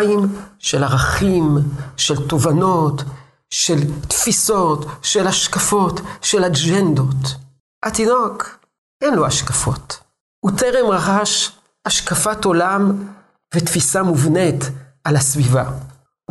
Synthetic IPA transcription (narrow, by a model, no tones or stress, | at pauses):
imʃe̞laʁaχimʃelt̪o̞vano̞t̪ | ʃelt̪fiso̞t̪ʃelhaʃkafo̞tʃelad͡ʒend̪o̞t̪ | hat̪inok | ʔenloaʃkafo̞̰t̪ | ut̪eʁemʁaχaʃ | ʔaʃkafat̪o̞lam | vet̪fisamuvnet̪ʔalasviva